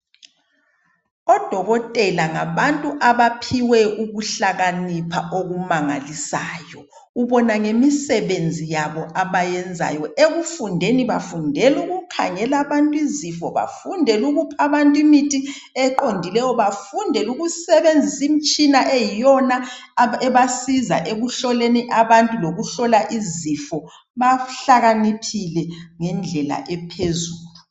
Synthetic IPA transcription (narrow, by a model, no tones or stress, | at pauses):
ɔd̥ʱɔɣɔtʼɛlaŋa̰βantʼuʔaβapʰiwɛuɣuɬaɣanipʰaʔoɣumaŋa̰lisaːjɔ | uβɔnaŋemisɛβend͡zʱijaβɔʔaβajɛnd͡zʱa̰jɔʔeɣufundʱeniβafundʱɛluɣukʰa̰ŋɛlaβantʼuizifɔβa̰fundʱɛluɣupʰaβantʼwimitʼi | ɛǃondʱilɛjɔβafundʱɛluɣusɛβend͡zʱisim̩t͡ʃʼinaʔɛjɔnaɛβasiza̰ʔeɣuɬɔleniʔaβantʼuloɣuɬɔlaʔizifɔ | βaɬaɣanipʰilɛŋɛnd͡ɮʱɛla̰ʔɛpʰezuːlu